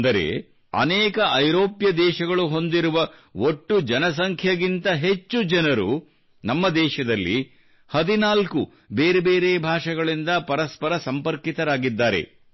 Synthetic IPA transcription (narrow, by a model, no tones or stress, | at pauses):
d̪ɐɾe̞̰ | ɐ̰nɛːkɐʔɐjɾoːpjɐd̪ɛːʃɐɡɐɭuɦo̞nd̪iɾuʋɐoʈːud͡ʒɐnɐs̬ɐŋkʰjɐɡint̪ɐɦe̞t͡ʃːud͡ʒɐnɐɾṵ | nɐmːɐd̪ɛːʃɐd̪ɐlːḭ | hɐd̪inaːlku | be̞ːɾebe̞ːɾeːbʱaːʂɐɡɐɭind̪ɐpɐɾɐspɐɾɐsɐmpɐɾkit̪ɐɾaːɡid̪ːaːɾe̞̰